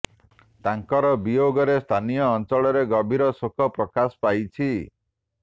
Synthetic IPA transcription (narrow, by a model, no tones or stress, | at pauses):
t̪aŋkɔɾɔbijoɡɔɾest̪ʰanijɔːnt͡ʃɔɭɔɾeɡɔbʱiɾɔsokʰɔpɾɔkasɔ̥pajt͡ʃʰi